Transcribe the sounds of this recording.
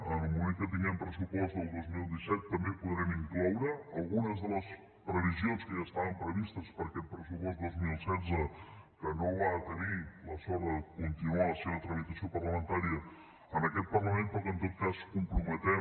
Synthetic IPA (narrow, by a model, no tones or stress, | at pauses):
ənəlˠmumẽŋkət̪̬iŋɡɛmpɾəsupɔst̪əlˠd̪ozmilˠd̪isɛt̪ːəmbepuðɾɛmiŋklɔwɾəːlˠɣunəzðələs | pɾəβizionskəʒast̪aβəmpɾəβist̪əspəɾkɛt̪̚pɾəsupɔst̪d̪ozmilˠsɛd͡zə | kənowaðət̪əniləsɔɾəkunt̪inualəseβət̪ɾəmit̪əsiopərləmənt̪aɾiə | ənəkɛt̪̚pərləmẽnp̪ɔkənt̪ot̪̚kaskumpɾumət̪ɛ